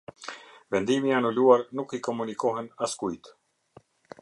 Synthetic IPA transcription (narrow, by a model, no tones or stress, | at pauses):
vɛnd̪imianuluaɾnukikɔmunikɔɦɛnaskujt̪